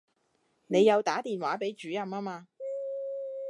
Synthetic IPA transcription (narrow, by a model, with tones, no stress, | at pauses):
ne˨˧jːɐ˨˧wt̪aː˨˥t̪iː˨nwaː˨˥pe˨˥jt͡ʃyː˨˥jɐ˨maː˥maː˧